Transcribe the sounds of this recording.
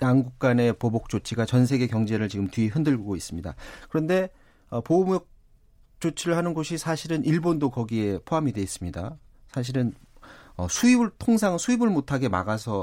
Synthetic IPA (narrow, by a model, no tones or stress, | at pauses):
jaŋɡuk̚k͈ane̞pobok̚t͡ɕ͈ot͡ɕʰiɡat͡ɕʌns̬ʰe̞ɡe̞kjʌŋd͡ʑe̞ɾɯɭt͡ɕiɡɯmtɥiɦɯndɯɭɡoɡois͈ɯmɲida̰kɯɾʌnde̞ | ʌpobok̚ | t͡ɕ͈ot͡ɕʰiɾɯɭhanɯnɡoɕʰisʰaɕʰiɾɯnʔiɭbondokʌɡie̞pʰoɦamidwe̞is͈ɯmɲida | sʰaɕ̬ʰiɾɯn | ʌsʰuibɯɭtʰoŋs̬ʰaŋɯnsʰuibɯɭmotʰaɡe̞ma̰ɡasʰʌ